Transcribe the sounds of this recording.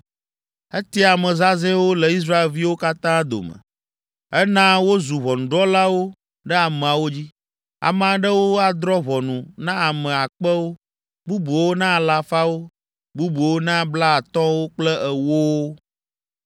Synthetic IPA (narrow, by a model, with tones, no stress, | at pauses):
ɛ˦t̪i˦a˨mɛ̃˨za˦zɛ̃˦wo˦lɛ˨i˦s̬ɾa˦e˨lvi˦wo˦ka˦t̪ã˦d̪o̰˨mə̰̃˨ | ɛ˦nã˦wo˦zu˨βɔ˨nũ˨ɖɔ˦la˦wo˦ | ɖɛ˦a˨mɛ̃˨a˨wo˦d͡ʑi˦ | a̰˨m˨ã˨ɖə˦wo˦a˨d̪ɾɔ˦βɔ˨nũ˨nã˦a˨mɛ̃˨a˨k͡pə˦wo˦ | bu˦bu˨wo˦nã˦˨la˨fa˦wo˦ | bu˦bu˨wo˦nã˦bla˦a˨t̪ɔ̃˦wo˦k͡plɛ˦ʔɛ˨wo˦